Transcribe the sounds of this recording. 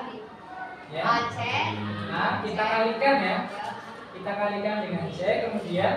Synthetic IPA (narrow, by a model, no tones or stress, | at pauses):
jat͡ʃɛʔakit̪akalikanja | kit̪akalikandəŋant͡ʃɛkəmudian